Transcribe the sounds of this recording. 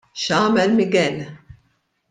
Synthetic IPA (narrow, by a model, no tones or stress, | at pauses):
ʃɐːmɛlmɪɡɛl